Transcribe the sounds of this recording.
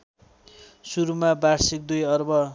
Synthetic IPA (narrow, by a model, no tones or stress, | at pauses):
suɾumabarsik̚d̪ujʌrbʌ